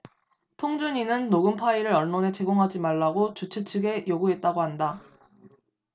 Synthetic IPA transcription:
tʰoŋd͡ʑuɲinɯnːoɡɯmpʰaiɾɯɾʌɭnone̞t͡ɕe̞ɡoŋɦad͡ʑimaɭːaɡot͡ɕut͡ɕʰɯt͡ɕʰɯɡe̞joɡuɦe̞t̚t͈aɡoɦanda

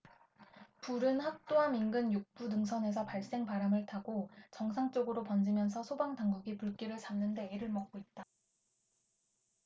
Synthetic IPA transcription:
puɾɯnhak̚t͈oaminɡɯnjuk̚p͈unɯŋs̬ʰʌne̞s̬ʰʌpaɭs͈e̞ŋpaɾamɯɭtʰaɡot͡ɕʌŋsʰaŋt͡ɕ͈oɡɯɾopʌnd͡ʑimjʌnsʰʌsʰobaŋdaŋɡʌɡipuɭk͈iɾɯɭt͡ɕamnɯnde̞iɾɯɭmʌk̚k͈oit̚t͈a

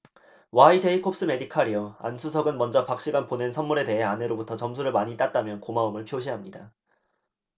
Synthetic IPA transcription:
waid͡ʑeikʰop̚s͈ɯme̞dikʰaɾiʌa̰nsʰusʰʌɡɯnmʌnd͡ʑʌpak̚ɕ͈iɡanpone̞nsʰʌnmːuɾe̞de̞ɦe̞ane̞ɾobutʰʌt͡ɕʌms̬ʰuɾɯɭmaɲit͈at̚t͈amjʌnkomaumɯɭpʰjoɕ̬ʰiɦamɲida

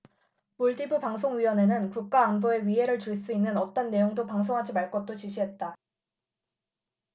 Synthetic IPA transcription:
moɭdibɯpaŋsʰoŋɥiwʌne̞nɯnkuk̚k͈aːnboe̞ɥiɦe̞ɾɯɭt͡ɕuɭs͈uinːɯnʌt͈ʌnːe̞joŋdopaŋsʰoŋɦad͡ʑimaɭk͈ʌt̚t͈ot͡ɕiɕʰiɦe̞t̚t͈a

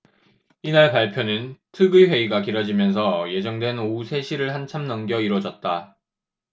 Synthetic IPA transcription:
inaɭpaɭpʰjonɯntʰɯɡɯwe̞iɡakiɾʌd͡ʑimjʌns̬ʰʌje̞d͡ʑʌŋdwe̞nousʰe̞ɕʰiɾɯɭɦant͡ɕʰamnʌŋɡjʌiɾwʌd͡ʑʌt̚t͈a

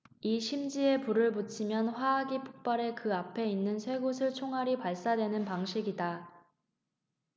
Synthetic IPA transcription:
iɕʰimd͡ʑie̞puɾɯɭput͡ɕʰimjʌnɸwaːɡipʰo̥k̚p͈aɾe̞kɯapʰe̞inːɯnsʰwe̞ɡosʰɯɭt͡ɕʰoŋɦaɾipaɭs͈adwe̞nɯnpaŋɕʰiɡida

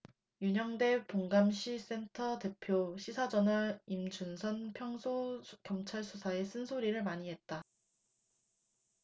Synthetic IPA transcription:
juɲʌŋde̞poŋɡamɕʰis͈e̞ntʰʌte̞pʰjoɕʰisʰad͡ʑʌnɯimd͡ʑunsʰʌnpʰjʌŋsʰoɡjʌmt͡ɕʰaɭsʰusʰae̞s͈ʰɯnsʰoɾiɾɯɭmaɲiɦe̞t̚t͈a

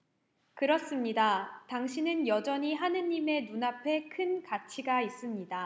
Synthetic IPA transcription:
kɯɾʌs͈ɯmɲidataŋɕʰinɯnjʌd͡ʑʌɲiɦanɯɲːime̞nunapʰe̞kʰɯnkat͡ɕʰiɡais͈ɯmɲida

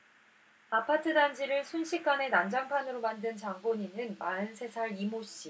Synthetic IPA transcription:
apʰatʰɯdand͡ʑʰiɾɯɭsʰunɕʰik͈ane̞nand͡ʑaŋpʰanɯɾomandɯnt͡ɕaŋɡoɲinɯnmaɯnsʰe̞sʰaɭimoɕ͈i

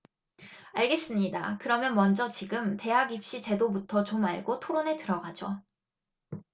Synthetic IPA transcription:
aɭɡe̞s͈ɯmɲida̰kɯɾʌmjʌnmʌnd͡ʑʌt͡ɕiɡɯmte̞ɦaɡip̚ɕ͈it͡ɕe̞dobutʰʌt͡ɕomaɭɡotʰoɾone̞tɯɾʌɡad͡ʑo

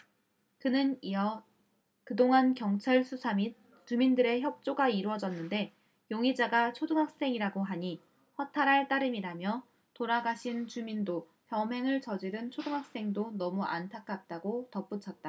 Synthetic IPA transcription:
kɯnɯniʌ | kɯdoŋankjʌŋt͡ɕʰaɭsʰusʰami | t͡ɕumindɯɾe̞çjʌk̚t͡ɕ͈oɡaiɾuʌd͡ʑʌnːɯnde̞ | joŋid͡ʑaɡat͡ɕʰoduŋɦak̚s͈e̞ŋiɾaɡoɦaɲi | ɸwʌtʰaɾɦaɭt͈aɾɯmiɾamjʌ | toɾaɡaɕʰint͡ɕumindo | çjʌmɦe̞ŋɯɭt͡ɕʌd͡ʑiɾɯnt͡ɕʰoduŋɦak̚s͈e̞ŋdonʌmuʔa̰ntʰak͈ʰat̚t͈aɡotʌp͈ut͡ɕʰʌt̚t͈a

